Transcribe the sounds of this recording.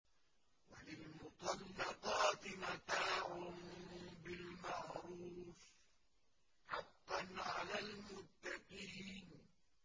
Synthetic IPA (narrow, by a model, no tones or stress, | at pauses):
walɪlmʊt̪ˤɑlːɑqɑːt̪ɪmat̪aːʕʊnbɪlmɑʕɾuːs | ħaqːanʕalaːlmʊt̪ːɑqiːn